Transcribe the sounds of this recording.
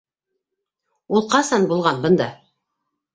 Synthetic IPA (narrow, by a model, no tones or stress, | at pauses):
ulˠqɑsɑnbulˠʁɑnbɤ̆nd̪ɑ